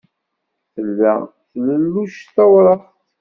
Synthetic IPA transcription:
θəlːæ̰ | θləlːuʃθæwɾˤəχt̪

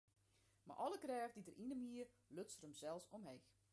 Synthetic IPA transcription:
ma̰rʔɔlˠəkrɛːvdidərʔinəmiə | løsrəmsɛlˠsɔmɦex

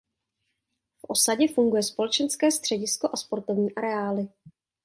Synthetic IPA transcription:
fʔo̞saɟɛfuŋɡujɛspo̞lɛt͡ʃɛnskɛːst̪r̝̥ɛɟɪsko̞ʔaspo̞ɾt̪o̞vɲiːʔaɾɛaːlɪ

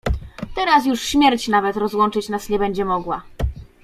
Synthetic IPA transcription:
t̪ɛɾasjuʂɕmʲjɛɾt͡ɕnavɛt̪ɾɔzwɔnt͡ʂɘt͡ɕnasɲɛbɛɲd͡ʑɛmɔɡwa

